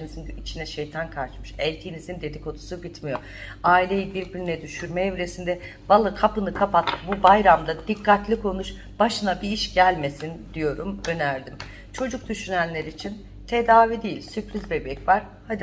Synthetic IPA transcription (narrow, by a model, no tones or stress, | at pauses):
nizinit͡ʃʰinɛʃe̞jt̪ʰankʰaɾt͡ʃmɯʃɛlʲt̪ʰiːnizind̪e̞d̪ikʰo̞t̪ʰu̥subit̪mijo̞ | aːilʲe̞jibiɾbiɾinɛd̪yʃyɾmɛevɾe̞sind̪ɛ | valˠːakʰapɯnɯkʰapat̪̚bubajɾamd̪ad̪ikʰːat̪lʲikʰo̞nuʃ | baʃɯnabiiʃɟælʲme̞sind̪ijo̞ɾumø̞næɾd̪im | t͡ʃʰo̞d͡ʒuk̚d̪yʃynænlʲe̞ɾiːt͡ʃʰin | t̪ʰe̞d̪aːvid̪ijilʲsypɾizbe̞bɛcvaɾ̥ | had̪